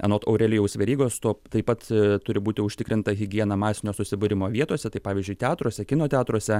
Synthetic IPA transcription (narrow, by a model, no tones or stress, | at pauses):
ɛ̰noːt̪ɐʊɾʲɛlʲɪjɛʊsʲʋʲɛɾʲiːɡoːst̪oːt̪ɐɪpɐt̪t̪ʊɾʲɪbuːt̪ʲɪʊʃʲt̪ʲɪkɾʲɪnt̪ɐɣʲɪɡʲiɛnɐmɑːsʲɪnʲoːsʊsʲɪbʊɾʲɪmoːʋʲiɛt̪oːsʲɛt̪ɐɪpɑːʋʲɪzʲd͡ʒʲʊɪt̪ʲæːt̪ɾuɔsʲɛkʲɪnoːt̪ʲæːt̪ɾuɔsʲɛ